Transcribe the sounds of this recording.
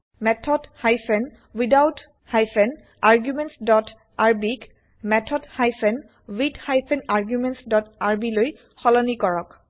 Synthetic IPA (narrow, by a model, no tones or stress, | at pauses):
mɛtʰɔdhajfʰɛn | widawt | hajfʰɛn | aɹɡjumɛntsdɔtʰ | aɹbik | mɛtʰɔdhajpʰɛn | widhajpʰɛnaɹɡjumɛntsdɔtaɹbiloj | xɔlɔnikɔɹɔk